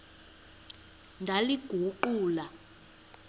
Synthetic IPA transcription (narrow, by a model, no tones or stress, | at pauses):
ndʱaliɡ̥ʱuǃuːla